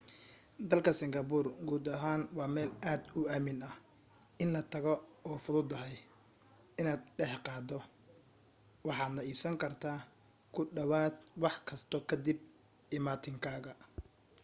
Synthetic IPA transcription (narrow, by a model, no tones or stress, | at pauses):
d̪ɐlkʰɐsɪŋɡɐbʊrɡuːd̪ɐɦaːnwɑːmɛːlaːd̪ʊaːmɪnɐ | ɪnlɐt̪ʰɐɣɔɔːfʊðʊd̪ɐɦɛj | ɪnaːd̪̚ɖɛħqɑːd̪ɔ | wɑħɑːd̪nɐiːbsɐŋkʰɐrt̪ʰaː | kʰʊɖɐwaːd̪wɑħkʰɐst̪ʰɔkʰɐd̪ɪb̚ | ɪmaːt̪ʰɪŋkʰaːɣɐ